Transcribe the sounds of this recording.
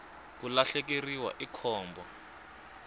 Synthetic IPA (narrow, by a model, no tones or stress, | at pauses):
k̬ulaɬek̬eriwa̰ʔikʰɔːmbʱɔ